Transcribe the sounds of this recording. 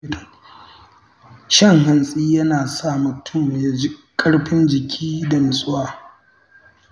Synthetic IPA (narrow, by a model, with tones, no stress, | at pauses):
ʃɐ˦ŋɦɐ˨nsʼiː˦jɐ˦naː˨sa˦˨mʊ˨tʰʊ˦˨m˨ja˨d͡ʒi˦kʼɐ˦ɽɸɪ˦nd͡ʒɪ˨kʲʰiː˦da˨mɪ˨sʼʊ˦waː˦˨